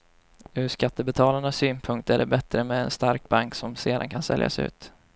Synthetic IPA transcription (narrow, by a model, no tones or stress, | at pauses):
ɵʂkat̪ːəbɛt̪ʰɑːlaɳasːyːnpʰɵŋk̚t̪æɖɛbɛt̪ɾəmɛɛ̰nst̪aɾk̚baŋksɔmsḛːd̪ankʰansɛ̰lja̰sɛʉ̟ːt̪